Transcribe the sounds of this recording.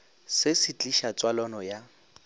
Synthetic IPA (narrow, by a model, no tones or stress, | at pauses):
sɪsɪt͡ɬʼiʃat͡sʼwalɔnɔja